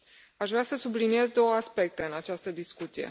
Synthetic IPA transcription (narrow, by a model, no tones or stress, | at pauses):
aʃvɾeasəsublinije̞zd̪o̞wəaspe̞k̚t̪e̞ɨnat͡ʃast̪əd̪iskut̪sije̞̰